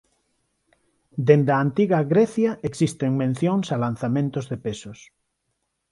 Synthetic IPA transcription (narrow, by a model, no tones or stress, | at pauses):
d̪end̪aːnt̪iɣaɣɾeθjaʔeksist̪eŋmẽn̟θjoŋsalan̟θamẽnt̪ozðepesos